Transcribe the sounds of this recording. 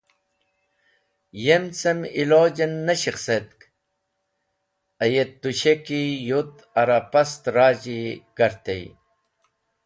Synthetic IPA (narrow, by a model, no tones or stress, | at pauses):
jemt͡semiloːd͡ʑenːɐɕixset̪̚k | ɐjet̪ːuɕekijut̪ | ɐɾapɐst̪ɾaːd͡ʑiɡ̥ɐɾt̪ej